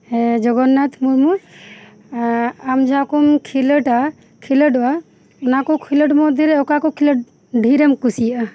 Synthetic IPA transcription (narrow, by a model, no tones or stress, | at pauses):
ɛd͡ʒɔɡɔnːat̪ʰmuɾmuɾ | amd͡ʒʱakumkʰiləʈa | kʰiləʈa | ɔnakɔkʰiləʈmɔd̪ʱiɾɛɔkakɔkʰiləʈ̚ | ɖʱiɾɛmkusija